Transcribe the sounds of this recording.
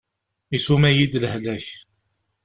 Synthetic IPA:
isumæjid̪lhlæç

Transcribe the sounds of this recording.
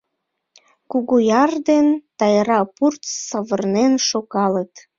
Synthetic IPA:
kuɣujɑrd̪ent̪ɑjɾɑpurt̪səβərnenʃokɑlət̪

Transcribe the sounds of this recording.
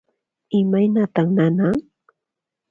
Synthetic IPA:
ɪmajnat̪aχnanaŋ

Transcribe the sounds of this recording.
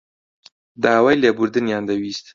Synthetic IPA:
d̪ɑawajləbuɾd̪ɨnjɑnd̪awist̪

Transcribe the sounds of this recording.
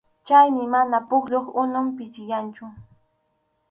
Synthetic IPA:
t͡ʃajmɪmanapʊkʎoχʊnʊmpɪt͡ʃɪjant͡ʃʊ

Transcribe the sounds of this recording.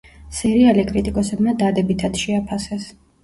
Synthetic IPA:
siɾialikʼɾit̪ʼikʼɔsɛbmad̪ad̪ɛbit̪ʰat̪ʃɛapʰasɛs

